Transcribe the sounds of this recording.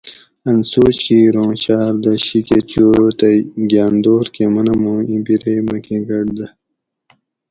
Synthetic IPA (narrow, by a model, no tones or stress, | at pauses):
ɐnsoːɕiɾõːɕaːɾd̪ɐɕiket͡ɕoːt̪ɐɡʲaːnd̪oːɾkemɐnɐmõːĩbiɾemɐkʰeɡɐɽd̪ɐ